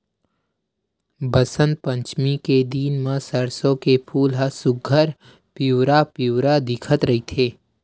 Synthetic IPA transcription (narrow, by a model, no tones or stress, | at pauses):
bəsə̃nt̪̚pə̃ɲt͡ʃmiked̪iːnmãsəɾsõkepʰuːlɦəsʊɡʱəɾ | puːɾapjuwɾad̪ɪkʰət̪ɾɐɦit̪ʰeː